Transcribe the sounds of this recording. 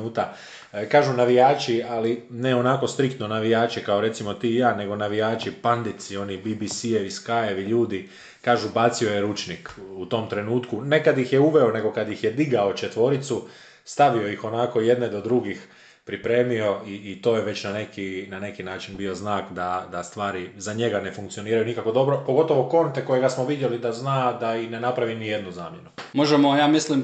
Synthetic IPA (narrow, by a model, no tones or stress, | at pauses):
uːt̪a | kaːʒunaʋijaːt͡ʃialineo̞nako̞st̪ɾikt̪no̞naʋijaːt͡ʃikao̞ɾe̞t̪simo̞t̪iːjaːne̞ɡo̞naʋijaːt͡ʃipand̪it̪sio̞nibibisieʋiskaje̞ʋiʎuːd̪i | kaːʒubat̪sio̞je̞ɾut͡ʃnikut̪o̞mt̪ɾe̞nuːt̪kune̞kad̪jixjeuʋe̞o̞ne̞ɡo̞kad̪jixje̞d̪iɡao̞t͡ʃe̞t̪ʋo̞ɾit̪su | st̪aʋio̞jixo̞nako̞je̞d̪ned̪o̞d̪ɾuɡix | pɾipɾe̞ːmio̞iːt̪o̞ːjeʋe̞t͡ɕnane̞kinane̞kinaːt͡ʃinbio̞znaːkd̪ad̪ast̪ʋaːɾizaɲe̞ɡane̞fuŋkt̪sio̞niːɾajunikakʋo̞d̪o̞bɾo̞po̞ɡo̞t̪o̞ʋo̞ko̞nt̪e̞ko̞je̞ɡasmoʋid̪je̞lid̪aznaːd̪aixne̞napɾaʋinije̞d̪nuza̰ːmje̞numo̞ʒemojaːmislim